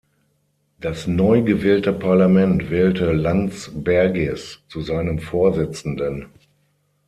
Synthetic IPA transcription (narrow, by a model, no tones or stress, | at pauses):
d̥asnɔʏɡəvɛːltəpʰaɐlamɛntv̥ɛːltəlant͡sbɛɐɡɛst͡suzaɪnəmfoːɐzɪt͡sn̩dən